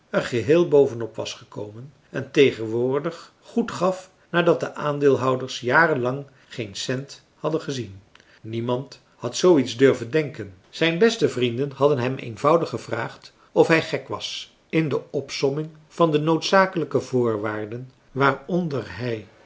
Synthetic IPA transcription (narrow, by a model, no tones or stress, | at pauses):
əχəɦɪːlˠbowvənɔpʋɑ̰sχəko̰wmən | ɛntejχənʋʊːɹdəχ | χutχɑf | naːdɑt̚dəʔaːndɪːlˠɦʌwdəɹsjaːrənlɑŋ | χejnsɛnt | hɑdəχəzin | nimɑnt | hɑtsowitzdøɹvəndɛŋkən | z̥ɛjnbɛstəvrindənɦɑdənɦɛmḛjnvʌwdəχːəvra̰ːχt | ɔfɦɛjχɛkʋɑ̰s | ɪndəɔpsɔmɪŋ | v̥ɑndənowtsaːkələkəvʊːɹʋaːɹdən | ʋaːrɔndərɦɛj